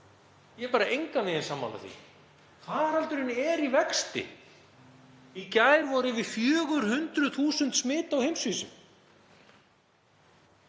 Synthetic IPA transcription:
jɛɛpaːɾaʔejŋkanɪðɪnsaːmːa̰la̰θḭ | kʰaːðaɾalt̪ʏɾɪnːɛɾivɛkst̪ɪ̰ | icaːjɾvɔɾɪvɪfjœːɣʏɾ̥hʏnt̪ɾʏθuːsʏnt̪smɪːt̪awhejmsviːsʏ̰m

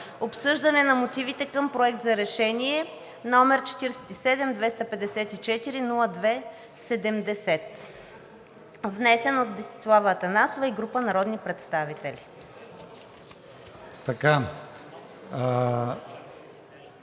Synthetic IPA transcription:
opsɤʒd̪ɐnɛnɐmot̪ivit̪ɛkɤmpɾoɛk̚t̪zɐɾɛʃɛniɛ | nɔmɛɾt͡ʃɛ̥t̪iɾɛsɛ̥t̪isɛd̪ɛmd̪vɛst̪ɐpɛd̪ɛsɛt̪it͡ʃɛt̪iɾinulˠəd̪vɛ | sɛd̪ɛmd̪ɛsɛt̪ | vnɛsɛnot̪d̪ɛsi̥slˠavəːt̪ɐnasovɐiɡɾupənɐɾɔd̪nipɾɛt̪st̪avit̪ɛlʲi | t̪ɐka

